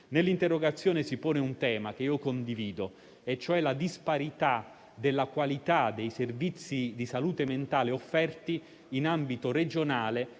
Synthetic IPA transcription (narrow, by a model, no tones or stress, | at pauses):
nelːint̪erːoɡat̪sːjoːnesipoːneunt̪ɛːmak̟eiːokond̪iviːd̪o | et͡ʃːoɛlad̪ispaɾit̪a | d̪elːakwalit̪ad̪ejservit̪sːid̪isaluːt̪ement̪aːleofːɛrt̪iː | nambit̪oɾed͡ʒonaːle